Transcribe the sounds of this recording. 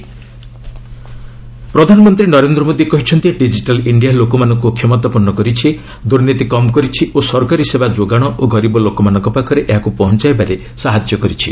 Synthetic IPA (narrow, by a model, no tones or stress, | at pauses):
pɾɔd̪ʱanɔmɔnt̪ɾinɔɾend̪ɾɔmod̪iekɔɦit͡ʃʰɔnt̪ieɖid͡ʒiʈaliɳɖijalokɔmanɔŋkukʰjɔmɔt̪ɔpɔɾnɔkɔɾit͡ʃʰi | d̪uɾnit̪ikɔmkɔɾit͡ʃʰiʔosɔɾkaɾisebad͡ʒoɡaɽ̃ɔʔoɡɔɾibɔlokɔmanɔŋkɔpakʰɔɾeʔeɦakupɔɦɔnt͡ʃaebaɾe | saɦad͡ʒjɔkɔɾit͡ʃʰi